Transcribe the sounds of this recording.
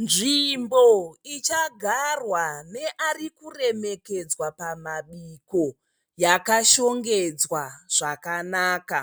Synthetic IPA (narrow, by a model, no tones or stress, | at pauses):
nʐimboit͡ʃaɡʱarwane̞ʔarikure̞me̞ke̞d͡zwapamaɓiko | jakaʃo̞ŋɡe̞d͡zwaʐ̥akanaːka